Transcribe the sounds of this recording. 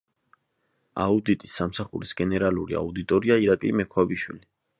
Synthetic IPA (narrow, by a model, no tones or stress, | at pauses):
a̰ud̪it̪ʼisːamsaχṵɾisɡɛnɛɾalˠuɾḭa̰ud̪it̪ʼɔɾiaiɾakʼlimɛkʰwabiʃwḭli